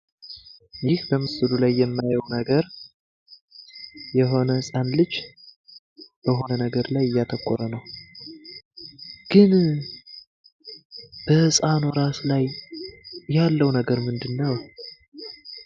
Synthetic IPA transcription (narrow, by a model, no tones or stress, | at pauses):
jɪhbəmɨsɨlulajːɛmːajəwnəɡəɾ | jɛɦo̞nəhɨsʼanlɨd͡ʒ | b̥əɦo̞nənəɡəɾlajɨjːat̪ʰəkːoɾənəw | ɡ̥ɨn | b̥əhɨsʼanoɾaslaj | jalːəwnəɡəɾmɨnd̪ɨnːəw